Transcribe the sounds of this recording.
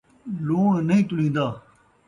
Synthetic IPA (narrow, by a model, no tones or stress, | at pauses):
loːnəɦĩːt̪ʊlĩːnd̪aː